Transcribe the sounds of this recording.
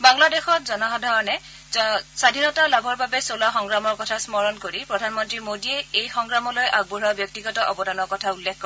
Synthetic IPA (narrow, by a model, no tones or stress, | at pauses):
baŋladexɔt̚zɔnɔɦɔdʱaɹɔnɛ | sadʱinɔtalabʱɔɹbabɛsolaxɔŋɡɹamɔɹkɔtʰasmɔɹɔnkoɹipɹɔdʱanmɔntɹimodiɛejxɔŋɡɹamɔlojʔaɡ̚buɹɔbjɔk̚tiɡɔtɔʔɔbɔdʱanɔɹkɔtʰaulːekkɔɹɛ